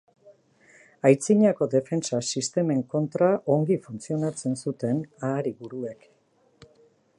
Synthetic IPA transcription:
ajt͡siɲako̞ðe̞fe̞nt͡sasist̪e̞me̞ŋko̞nt̪ɾaʔo̞ŋɡifunt͡sio̞nat͡se̞nsut̪e̞naːɾiβuɾue̞k

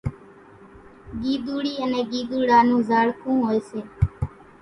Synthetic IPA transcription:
ɡiːd̪uːɽiːənẽːɡiːd̪uːɽaːnũːzaːɽkʰũːɦoːeːseː

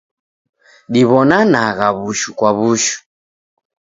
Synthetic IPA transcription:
ɗiβɔnanaɣaβuʃukwaβuʃu̥

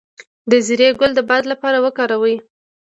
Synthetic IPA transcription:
d̪əziɾeɡʊld̪əbɑd̪lapɑɾawəkɑɾawəj

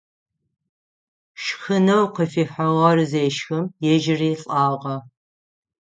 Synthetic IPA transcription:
ʃxɨnɐwqəfiːħɐʁɐrɨzeːʃxɨmjɛʒɪriːɬʼɑːʁɐ

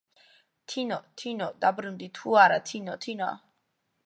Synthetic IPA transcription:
t̪ʰinɔt̪ʰinɔd̪abɾund̪it̪ʰuaɾat̪ʰinɔt̪ʰina̰

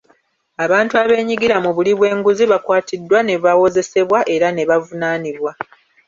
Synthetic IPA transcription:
aβaːntuaβe̞ːɲiɡiɾamuβuliβwe̞ːŋɡuziβakwaːtʰidːwane̞βawo̞ze̞se̞βwaʔe̞ɾane̞βavunaːniβwa

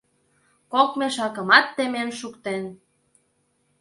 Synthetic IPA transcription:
kokmeʃɑkə̆mɑt̪ːemenʃukt̪en

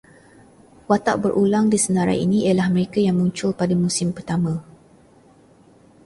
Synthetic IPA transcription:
wat̪aʔbərʔulaŋdisənaɾa̰ḭniʔelahməɾekajaŋmũɲt͡ʃʊlpadamusɪmpərt̪amã

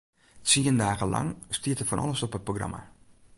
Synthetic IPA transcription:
t͡siəndaːɣəlɑ̰ŋstiətəfɔnʔɑ̰lˠəsɔpət̚proɡrɑ̰ma̰

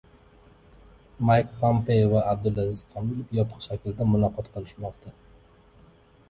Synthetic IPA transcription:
majkpʰompejovaab̚d̪ʊlazɪz̥qʰɑnʊlɪpjɒpʰɨ̥qʃakʲɪld̪amʊlˠɒqʰɒt̪qɨlˠɪʃmɒqt̪ʰa

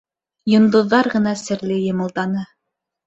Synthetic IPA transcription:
jŏnd̪ŏðːɑɾʁɤ̆nɑsɘ̆ɾlɘjŏmɤ̆lˠt̪ɑnɤ

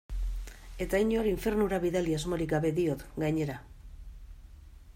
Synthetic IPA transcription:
e̞t̪aiɲo̞ɾiɱfe̞rnuɾaβiðaliazmo̞ɾik̚ɡaβe̞ðiot̪ɡaɲe̞ɾa

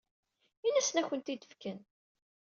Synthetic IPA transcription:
ilæsənæçʷənt̪id̪əfkən

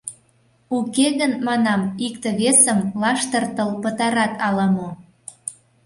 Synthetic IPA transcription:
ukeɣənmɑnɑmikt̪ə̆βesəmlɑʃt̪ərt̪əlpət̪ɑɾɑt̪ɑlɑmo

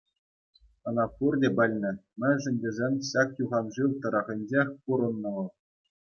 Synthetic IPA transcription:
ɤ̆nɑfurdʲebʲɘ̆lʲnʲɘ̆mʲɘ̆nʲʐɘ̆nʲdʲezʲenʲɕɑk̚tuʁɑnʐɯʋt̪ɤ̆ɾɑʁʲɘ̆nʲd͡ʑexʲpuɾɤ̆nːɤ̆ʋɤ̆

